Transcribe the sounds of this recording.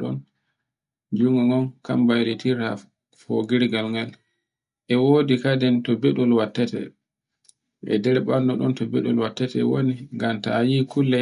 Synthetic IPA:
ɗɔ̰n | d͡ʒuŋɡɔŋɔnka̰mbajɾitʰiɾa̰ | fɔɡiɾɡalŋɡal | ʔɛwoːdikadɛntɔbɛɗulwatːɛtɛ̰ | ʔɛ̰dɛɾɛɓanːɔɗɔntɔbɛɗɔlwatːɛtɛwoniŋɡamtajikulːɛ

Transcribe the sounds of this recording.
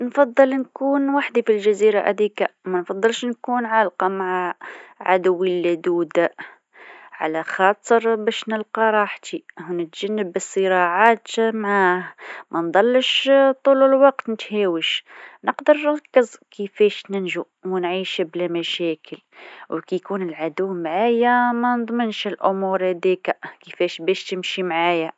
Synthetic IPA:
nfɑd̪ˤːɨlnkuːnwaħd̪ifilʒaziːɾa̰ʔa̰d̪iːkamanfɑðˤːɨlʃnkuːnʕalqɑmaʕaʕa̰d̪wilːad̪uːd̪a | ʕa̰laxɑːt̪ˤəɾbæːʃnɪlqɑɾˤɑːħt̪iʔhnɪt̪ʒanːɪbːɨsˤːɨɾɑːʕaːt̪maʕaːhmænd̪ˤɑlːəʃt̪ˤuːləlwɑqt̪nət̪hæwəʃnəqd̪əɾˤɾkːəzkəfɛʃnənʒu | wnʕiːʃblæmæʃækʰəl | wkijkuːnəlʕad̪ʊwːmʕajamænd̪ˤmənʃəlʔʊmuɾhæd̪ikakəfɛʃbæʃt̪əmʃimʕaja

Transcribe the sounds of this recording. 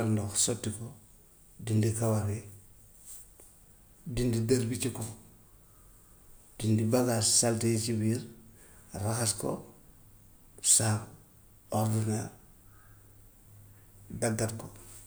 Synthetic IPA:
aɾndoxsotːiko | dindikawaɾe | dindidaɾbit͡ʃiko | d̥indibaɡassaltejt͡ʃibiɾ | ɾaxasko̰ | sak | oɾdina | daɡːatko

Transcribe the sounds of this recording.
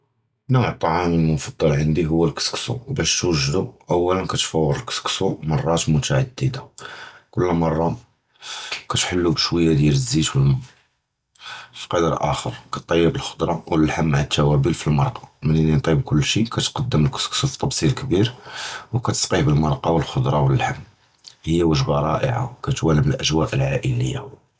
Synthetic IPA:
nuʕt̪ˤːɑʕɑməlmʊfɑd̪ˤːɑlʕənd̪iɦʊwːəlkə̥sksṵwbæʃt̪wəʒːd̪uʔæwːælənkæt̪fæwːəɾlkə̥sksumɑrˤːɑt̪mʊt̪aʕad̪ːid̪akʊlːmɑrˤːɑ | kæt̪ħəlːubʃwəjːad̪jæləzːit̪wəl | fi̥qɑd̪ɾʔæ̰xəɾkɑt̪ˤːɑjːəbəlxʊ̥d̪ɾˤɑwəllħamːaʕat̪ːæwæbilfilmɑɾˤqɑ̥məninint̪ˤib̚kʊlːʃikæt̪qɑd̪ːəməlkə̥sksuft̪ˤːɑbsˤilkbiɾwkæt̪ə̥sqihbəlmɑɾˤqɑwəlxʊd̪ɾˤɑwəllħamː | həjːawəʒbaɾˤɑʔə̰ʕa̰kæt̪wæləməlʔæʒwæʔəlʕaʔələjːa̰

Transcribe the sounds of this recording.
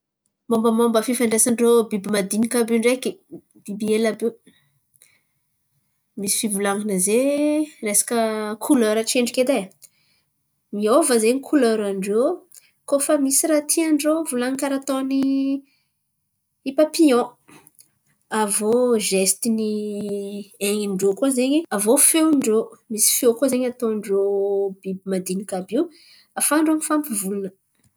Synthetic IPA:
mambəmambəfifaɳɖ͡ʐesaɳɖ͡ʐobibimad̪inikabeɳɖ͡ʐeki | b̥ibielabe | misi̥fivulaŋinəzeresḁkəkʰulaɾaʈ͡ʂeɳɖ͡ʐiket̪e | miovazenikʰulaɾaɳɖ͡ʐo | kofəmisiɾat̪ʰiaɳɖ͡ʐovulaŋkaɾat̪oni | ipapiɔ̃ | avoʒest̪ini | eŋiɳɖ͡ʐokozeɲiavofewɳɖ͡ʐomisi̥fiokozeɲat̪oɳɖ͡ʐobibmad̪inikabiw | afaɳɖ͡ʐomifampivulunə

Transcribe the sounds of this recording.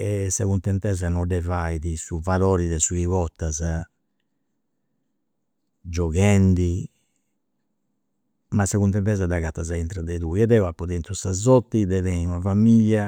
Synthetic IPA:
ɛsːakunt̪ɛnt̪ɛzanɔdɛvaiðisuvalɔːɾiðɛsuiβɔt̪ːaza | d͡ʒɔɣɛnd̪i | masːakunt̪ɛnt̪ɛzad̪aɣat̪ːazaint̪ɾaðɛðuiɛd̪ɛwapːɔðɛnt̪usazɔt̪ːid̪ɛðɛiunavamiʎːa

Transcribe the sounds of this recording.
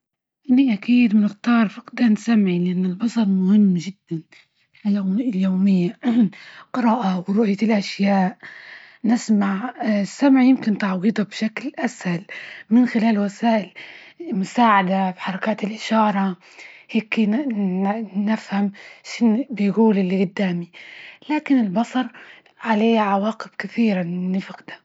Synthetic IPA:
ʔɪnːiʔakiːd̪mɪnɪxt̪ɑːɾˤfɑqd̪aːnsamʕilɪʔanːɪlbɑsˤɑɾˤmʊhɪmːʒɪd̪ːan | ljoːmɪjːa | qɨɾɑːʔawɾʊʔjalʔaʃjaːʔ | nɪsmaʕsːamʕjɪmkɪnt̪ɑʕwiːd̪ˤɑbʃaklʔashalmɪnxɪlaːlwasaːʔɪlmʊsaːʕad̪abħɑɾˤɑkaːt̪ɪlʔɪʃɑːɾˤɑ | heːk | nɪfhamʃɪnbɪjɡuːlʔɪlːiɡʊd̪ːaːmilaːkɪnɪlbɑsˤɑɾˤ | ʕaleːʕawaːqɪb̥kɪθiːɾanːɪfɪqd̪ḁ

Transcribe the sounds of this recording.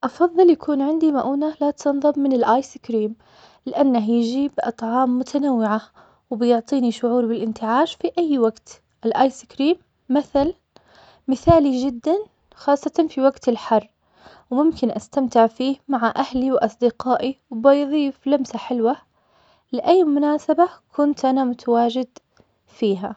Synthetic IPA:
ʔɑfɑðˤːɨljakʰuːnʕɪnd̪imaʔuːnalat̪ʰɨnðˤɨmːɪnɪlʔaːjsɪkɾiːm | lɪʔanːaɦjɪʒiːbʔɑt̪ˤʕɑːmːʊt̪ʰanawːɪʕa | wbɪjʊʕt̪ˤiːniʃʊʕuːɾbɪlʔɪnt̪ɪʕaːʃfiʔajːwaɡt̪ | ʔɪlʔaːjsɪkɾiːmː | aθalː | ɪθaːlid͡ʒɪd̪ːan | xɑːsˤːɑt̪ɑnfiwaɡt̪ɪlħɑrˤː | wmʊmkɪnʔast̪amt̪ɪʕfiːhmaʕaʔahliwʔɑsˤd̪ɪqɑːʔiwbɪjðˤiːflamsaħɪlwa | lɪʔajːmʊnaːsabakʰʊnt̪ʔanamʊt̪ʰawaːd͡ʒɪd̪ | fiːɦa

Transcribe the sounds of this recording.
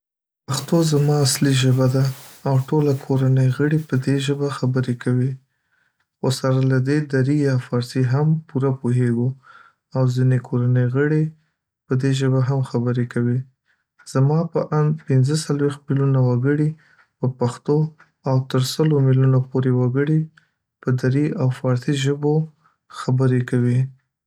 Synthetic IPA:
paxt̪ozamɑasliʒəbad̪aːwʈolakʰoɾanəjɣəɽipəd̪eʒəbaxabəɾekʰawi | xosaɾalad̪ed̪aɾijɑfɑɾsiɦampuɾapoɦeɡu | awzinekʰoɾanəjɣəɽe | pəd̪eʒəbaɦamxabəɾekawi | z̥amɑpəʔand̪pɪnzəsalwext̪̚milunawaɡəɽi | pəpaxt̪o | awt̪əɾsəlomilunopoɾewaɡəɽi | pəd̪aɾiawfɑɾsiʒəbo | xabəɾekawi

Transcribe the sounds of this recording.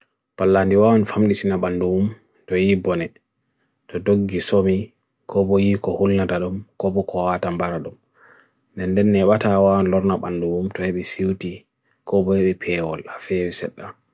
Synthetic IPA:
palːandiwawɔnfamɗitinaɓanduwum | tɔjibɔnɛ | tɔdoɡːisomi | kʰɔbɔjikɔhulnataɗumkɔbɔkʰɔwatambaɾaɗum | ndɛnːdɛnːɛɓatawawɔnlɔɾnaɓanduwumtɔheɓɛsiwti | kɔbɔhɛɓɛpʰɛːwɔlafɛwisɛ̰ɗːa

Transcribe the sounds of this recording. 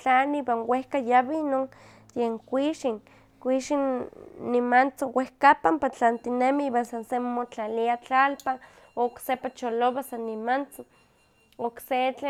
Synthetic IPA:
t͡ɬaniiwanwehkajaβinoŋ | jeŋkʷiʃiŋ | kʷiʃinːimant͡sowehkapampat͡ɬant̪inemiiwansansemot͡ɬaliat͡ɬalpa | oksepat͡ʃoloβasanːimant͡so | okset͡ɬe

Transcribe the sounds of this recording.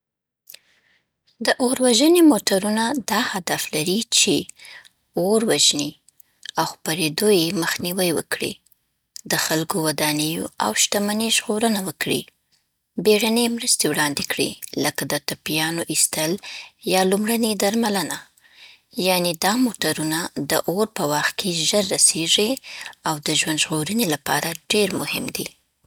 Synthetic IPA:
d̪əʔoɾwaʒənemoʈaɾunad̪ɑhad̪aflaɾit͡ʃe | oɾwaʒni | awxpaɾed̪ojeməxniwəjwə̰kɽḭ | d̪əxalkowad̪ɑnəjo̰a̰wʃt̪amaneʒɣoɾənawəkɽḭ | beɽanemɾəst̪ewɽɑnd̪ekɽḭləkad̪ət̪apijɑnoʔist̪əljɑlumɽəned̪aɾmaləna | jɑned̪ɑmoʈaɾunad̪əʔoɾpəwaxt̪̚kʰeʒəɾːaseʐiawd̪əʒwand̪ʒɣoɾənelapɑ̰ɾaɖeɾmʊhɪ̰md̪ḭ

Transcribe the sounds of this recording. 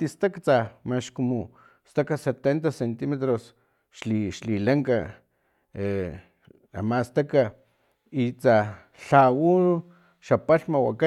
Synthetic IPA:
t̪ist̪akt͡samaʃkumo | st̪akaset̪ent̪̬asent̪imet̪ɾos | ʃliʃlilaŋka | e | a̰mast̪aka | it͡sa | ɬawu | ʃapaɬmawa̰ka

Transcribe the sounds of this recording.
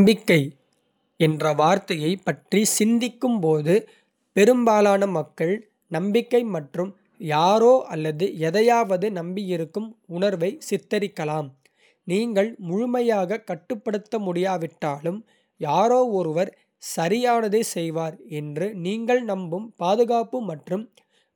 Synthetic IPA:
mbɪkːɐɪ | ɛndrɐʋaːɾt̪ɐjɐɪpːɐʈrisɪnd̪ɪkːɯmpoːðɯ | pɛɾɯmbaːlaːnɐmɐkːɐɭ | nɐmbɪkːɐɪmɐʈrɯm | jaːɾoːʔɐlːɐðɯɛðɐjaːʋɐðɯnɐmbijɪɾɯkːɯmʊnɐɾʋɐɪsɪt̪ːɐɾɪkːɐlaːm | niːŋɡɐɭmʊɻʊmɐjaːɣɐkɐʈːɯpːɐɽɯt̪ːɐmʊɽɪjaːʋɪʈːaːlɯm | jaːɾoːɔɾɯʋɐɾ | sɐɾɪjaːnɐðeːsɛjʋaːɾɛndrɯniːŋɡɐɭnɐmbɯmpaːðɯɣaːpɯmɐʈrɯm

